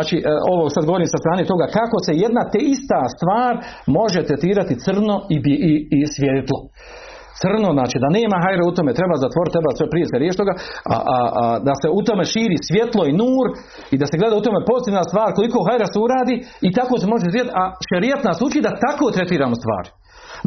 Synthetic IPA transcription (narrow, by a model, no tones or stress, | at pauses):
at͡ʃio̞ʋosad̪ɡooɾiːmsast̪ɾaːnet̪o̞ɡakako̞se̞jed̪nat̪eist̪ast̪ʋaːɾmo̞ʒet̪ɾet̪iːɾat̪it̪sr̩no̞ibiisʋʲjet̪lˠo̞ | t̪sr̩no̞znaːt͡ʃiːd̪ane̞ːmaɦajɾeut̪omet̪ɾe̞baːzat̪ʋo̞ɾt̪ːɾebaːsʋepɾijeseɾjeːʃt̪o̞ɡaa̰d̪aseut̪o̞me̞ʃiːɾiːsʋje̞t̪lˠo̞inuːɾ | id̪aseɡle̞d̪aːut̪o̞mepo̞zit̪iːʋnast̪ʋaːɾkoliko̞ːɦajɾaseuɾaːd̪iːit̪akoːs̬emo̞ʒesiːat̪aʃeɾijet̪nasut͡ʃaid̪at̪akoːt̪ɾet̪iːɾaːmost̪ʋa̰ːɾ